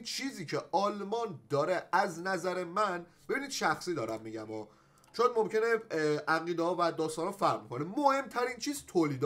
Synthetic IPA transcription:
t͡ʃʰiːziːcʰeʔɒːlmɒnd̪ɒːɾeæznæzæɾe̞mænb̥e̞biːnid̪̥ʃæxsiːd̪ɒːɾæmːiɟæmɒː | t͡ʃʰojd̪momce̞neʔæɣiːd̪ehɒːvæd̪ɒːst̪ɒnhɒfæɾʁmkʰonemohe̞mt̪ʰæɾiːnt͡ʃʰiːzt̪ʰoːliːd̪

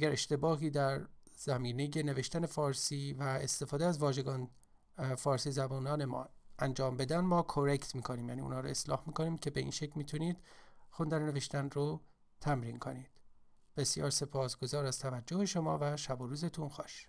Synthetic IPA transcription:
ʔæɟæɾe̞ʃt̪e̞bɒːɦiːd̪æɾ | z̥æmiːne̞je̞ne̞veʃt̪æne̞fɒːɾsiːvæest̪e̞fɒːd̪eæzvɒːʒe̞ɡɒːn | fɒːɾsiːzæbɒːnɒːne̞mɒ̰ːænd͡ʒɒːmbe̞d̪ænmɒːkʰoɾekt̪miːkʰo̞niːmjæ̰ːniːṵnhɒːɾoe̞slɒ̰ːhmiːko̞niːmcʰʲe̞beḭnʃecʰmiːt̪ʰuniːd̪̥xund̪ænene̞ve̞ʃt̪ænro | t̪ʰæmɾiːnkʰo̞niːd̪̥ | b̥e̞sjɒ̰ːɾse̞pʰɒːsɡ̥o̞zɒːɾæz̥t̪ʰævæd͡ʒːoheʃo̞mɒ̰ːvæʃæboɾuːzet̪ʰunxɒ̰ːʃ

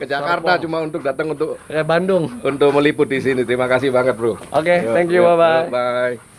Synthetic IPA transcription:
kət͡ʃakart̪at͡ʃumaunt̪ʊk̚dat̪əŋunt̪ʊkkabandʊŋunt̪ʊk̚məlipʊt̪̚disinit̪əɾimakasɪhbaŋət̪̚bɾuʔoket̪ɛŋkjubababaj

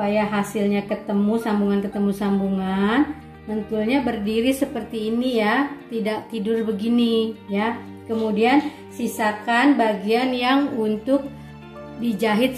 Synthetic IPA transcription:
ajaɦasɪlɲakət̪əmusambuŋankət̪əmusambuŋan | mənt̪ulɲabərdiɾisəpərt̪iːnijat̪idaʔt̪idʊrbəɡinija | kəmudian | sisakanbaɡianjaŋunt̪ʊk̚ | did͡ʒaɦɪt̪̚

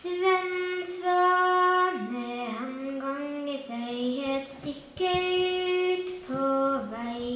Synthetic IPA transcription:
sʋɛnsʋɑ | ɾmeːhɛmɡɔŋisœʏheːt̪st̪ɪkːə | t̪pʰoːʋæɪ

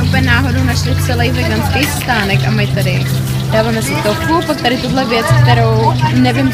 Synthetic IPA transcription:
ɛupɲɛnaːɦo̞downaʃlɪt͡sɛlɛjvɛɡant̪kejst̪aːnɛkamajt̪adɪ | daːvaːmɛsɪt̪oxupak̚t̪aɾɪt̪udlɛvjɛt͡sk̚t̪ɛɾo̞wnɛvɪm

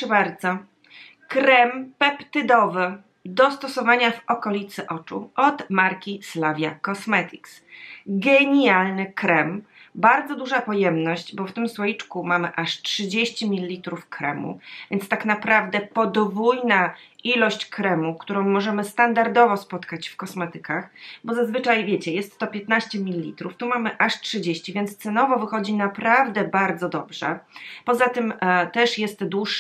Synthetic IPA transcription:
ʂɛbaɾd̪zɔ | kɾɛmpɛpt̪ɘd̪ɔvɘ | d̪ɔst̪ɔsɔvaɲavɔkɔlʲit̪sɘʔɔt͡ʂṵʔɔd̪maɾkʲislavʲjakɔsmɛt̪ʲʰiksɡɛɲjalnɘkɾɛmbaɾd̪zɔd̪uʐapɔjɛmnɔɕd͡ʑbɔft̪ɘmswɔit͡ʂkumamɘʔaʂtʂɘd͡ʑeɕt͡ɕimʲilʲiːit̪ɾufkɾɛ̰mṵvʲjɛnt̪st̪aknapɾavd̪ɛpɔd̪vujnaʔilɔɕt͡ɕkɾɛmukt̪uɾɔ̃w̃mɔʐɛmɘst̪and̪aɾd̪ɔvɔspɔt̪kat͡ɕfkɔsmɛt̪ɘkaxbɔzazvɘt͡ʂajvʲjet͡ɕɛjɛst̪ːɔpʲjet̪naɕt͡ɕɛmʲilʲiːḭt̪ɾuft̪umamɘʔaʂtʂɘd͡ʑeɕt͡ɕivʲjɛnt̪st̪sɛnɔvɔvɘxɔd͡ʑinapɾavd̪ɛbaɾd̪zɔd̪ɔbʐɛ̰pɔzat̪ɘmt̪ɛʂjɛst̪d̪wuʂ

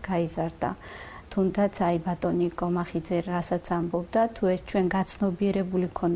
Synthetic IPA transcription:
ɡ̥aizaɾd̪a̰ | t̪ʰumd̪at̪sʰaibat̪ʼɔnikʼɔmaχid̪zɛɾasat̪sʰambɔbd̪at̪ʰuɛst͡ʃʰwɛnɡat̪sʰnɔbiɛɾɛbulikʰɔn

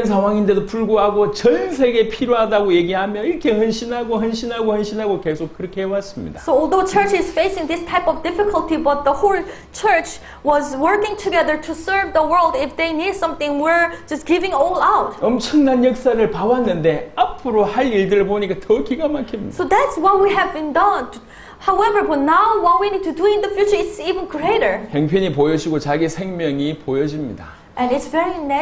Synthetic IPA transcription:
ens̬ʰaŋwaŋinde̞dopuɭɡoɦaɡot͡ɕʌnsʰe̞ɡe̞pʰiɾjoɦadaɡoje̞ɡiɦamjʌniɾʌkʰe̞hɯnɕʰinɦaɡohɯnɕʰinɦaɡohɯnɕʰinɦaɡoke̞sʰok̚kɯɾʌkʰeɦewas͈ɯmɲḭdasoɔlˠdot͡ʃʰə˞t͡ʃɪz̥feɪsɪ̃ŋðɪstʰaɪpʌvdɪfɪkʰəlˠtibʌt̪̚ðəholˠ | t͡ʃʰɜ˞t͡ʃ | wʌzwə˞kɪ̃ŋtʰuɡɛðə˞tʰusə˞vðəwɜ˞lˠdɪfðeɪnidsʌ̃mθɪ̃ŋwiɹd͡ʒʌsɡ̥ɪvɪ̃ŋɔlaʊt̚ʌmt͡ɕʰʌŋnanjʌk̚s͈aɾɯɭpawanːɯnde̞apʰɯɾohaɾiɭdɯɾɯɭpoɲik͈atʌkiɡamakʰimɲḭdsaoðætswʌt̚wiɦævbɨ̃ndʌ̃n | haʊɛvə˞bʌt̚naʊwʌt̚winid̚tʰuduɪ̃nðəfjut͡ʃə˞ɪtsivə̃nɡɹeɪɾə˞heŋpʰjʌɲipojʌd͡ʑiɡot͡ɕaɡisʰe̞ŋmjʌŋipojʌd͡ʑimɲḭda | ʔɛ̃nɪtsvɛɹinɛ

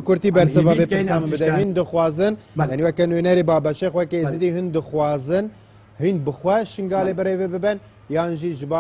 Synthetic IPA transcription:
kʰʊɾt̪iːbɛɾsɨvɑːveːpɨsɑːmɨnbɨd̪ɛɦɨnd̪ɨxwɑːzɨnjjaːniwɛkɛnunɛɾeːbɑːbɛʃexwɛkezɨd̪iːɦɨnd̪ɨxwɑːzɨn | hɨnbɨxwɛʃɨŋɡɑːleːbɨrevebɨbɛn | jaːnʒiʒɨbɑ

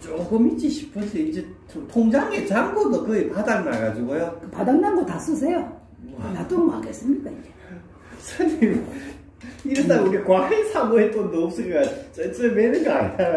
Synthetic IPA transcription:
t͡ɕoɡɯmit͡ɕ͈iɕʰi̥pʰɯnsʰʌind͡ʑe | tʰoŋd͡ʑaŋet͡ɕaŋɡodokɯepadaŋnaɡad͡ʑiɡojokɯpadandandotas͈us̬ʰejo | anat͈oɾomaɡes͈ɯmɲidaind͡ʑe | sʰanim | iɾʌt̪ʰaɡekwaɯsʰamoet͈ondop̚s͈ɯɾɡat͡ɕent͡ɕ͈emeɾɯɡantaɾ

